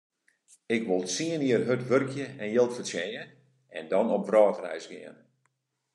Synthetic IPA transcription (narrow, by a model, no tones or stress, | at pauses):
ɪkʋolˠsiəniərɦøtʋørkʰjəɛnjəlˠtfəsjɛjə | ɛndɔnɔp̚ʋrɔːtrɛ̰jsɡɪ̰ən